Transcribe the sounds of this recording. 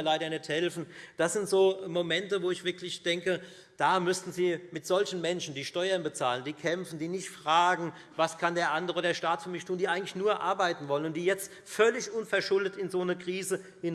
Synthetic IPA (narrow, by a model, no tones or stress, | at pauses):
ɐlaɪɾɐnɛthɛlfn̩d̥asz̥ɪntz̥oːmomɛntəvoːɪçv̥ɪɐklɪçd̥ɛŋkə | d̥aːmʏstn̩ziːmɪtz̥ɔlçn̩mɛnʃn̩diːʃtɔʏɐnbət͡saːləndiːkʰɛmfn̩diːnɪçtfʁ̥aːɡŋ̩ | vaskʰandeːɐʔandəʁəoːdeːɐʃtaːtfyɐmɪçtʰuːndiːʔaɪɡŋ̩tlɪçnuːɐʔa̰ɐbaɪtn̩vɔlənʊntd̥iːjɛt͡st | fœlɪçʔʊnfɛɐʃʊldətɪnzoːnəkʁ̥iːzə | hɪn